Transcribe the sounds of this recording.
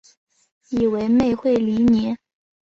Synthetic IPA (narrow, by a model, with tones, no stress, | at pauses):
i˨˩we˧˥ɪme˥˧ɪxwe˥˩ɪli˧˥njɛ˧˥n